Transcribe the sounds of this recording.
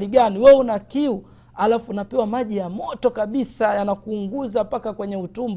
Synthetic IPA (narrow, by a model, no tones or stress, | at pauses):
liɡaniwɛunakiu | alafuːnapɛwamaʄijamɔtɔkaɓisajanakuːŋɡuzapakakwɛɲɛutumb